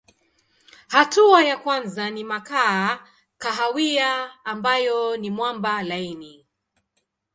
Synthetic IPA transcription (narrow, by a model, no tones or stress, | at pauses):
hatuajakwanzanimakaː | kaɦawiaːmbajɔnimwambalaini